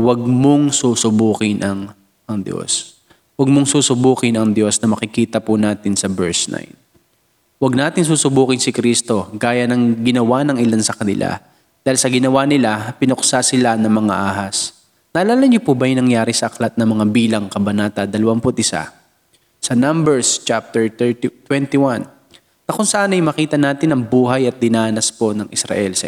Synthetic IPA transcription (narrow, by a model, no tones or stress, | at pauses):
wɐɡ̚moŋsuːsʊbuːkɪnʔɐŋ | ɐŋd̪jo̰s | wɐɡ̚moŋsuːsʊbuːkɪnɐŋd̪jo̞snɐmɐkɪkiːt̪ɐpʊnaːt̪ɪnsɐbɛɹsna̰jn | wɐɡ̚naːt̪ɪŋs̬uːsʊbuːkɪnsɪkɾiːst̪o̞ɡaːjɐnɐŋɡɪnɐwanɐŋɪlansɐkɐnɪlʔa̰ | d̪̥aːhilsɐɡɪnɐwanɪlapɪnoksasɪlanɐŋmɐŋa̰ʔaːɦɐs | naːlaːlɐŋɲopʊbɐjɪnɐŋjaːɾɪsɐʔɐklat̪̚nɐmɐŋabiːlɐŋkɐbɐnaːt̪ɐd̪ɐlɐwampʊt̪̚ɪsa̰ | sɐnambɛɹst͡ʃap̚t̪ɛɹt̪ɛt̪wɛnt̪iwan | nɐkʊŋsɐʔaːnɐjmɐkiːt̪ɐnaːt̪ɪnɐŋbuːɦɐjɐt̪̚d̪ɪnaːnɐspo̞nɐŋʔɪsɾɐ̰ʔɛlsɐ